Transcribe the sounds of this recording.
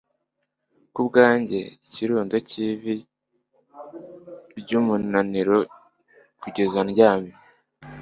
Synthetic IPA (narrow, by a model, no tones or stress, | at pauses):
kubɡaːɲɟe̞iciɾuːndociβi | ɾɟuːmunaniɾo | kuɟe̞zanɟaːmi